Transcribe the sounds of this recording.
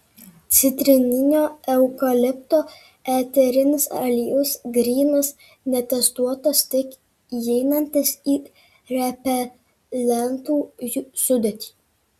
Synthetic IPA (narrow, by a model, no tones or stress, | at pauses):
t̪sʲɪt̪ʲɾʲɪnʲɪnʲoːɛʊkɐlʲɪpt̪oː | æːt̪ʲɛɾʲɪnʲɪsɐlʲɪjʊsɡɾʲiːnɐs | nʲɛt̪ʲɛst̪uɔt̪ɐst̪ʲɪk | jɛɪnɐnʲt̪ʲɪsiː | ɾʲɛpʲɛ | lʲɛnt̪uːjsʊd̪ʲɛt̪ʲi̥ː